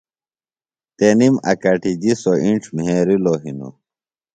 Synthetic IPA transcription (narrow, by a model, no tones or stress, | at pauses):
t̪enimɐ̰kɐʈid͡ʑisoʔiɳʈ͡ʂʰmɦeːɾiloɦino̰